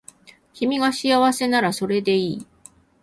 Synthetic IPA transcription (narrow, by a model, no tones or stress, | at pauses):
çimʲiɡaɕiaβase̞naɾaso̞ɾe̞d̪e̞iː